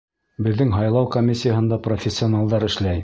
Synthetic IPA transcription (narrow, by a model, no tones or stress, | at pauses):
bɘ̆ðːɘŋɦɑjlˠɑwkomʲːisʲɪjəɦɤ̆nd̪ɑprofʲesʲːɪonɑlˠd̪ɑɾɘ̆ʃlæj